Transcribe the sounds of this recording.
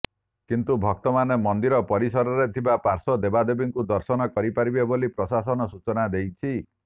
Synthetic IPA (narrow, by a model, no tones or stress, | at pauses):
kint̪ubʱɔk̚t̪ɔmanemɔnd̪iɾɔpɔɾisɔɾɔɾet̪ʰibapaɾsɔd̪ebad̪ebiŋkud̪ɔɾsɔnɔkɔɾipaɾibebolipɾɔsasɔnɔsut͡ʃɔnad̪ejt͡ʃʰi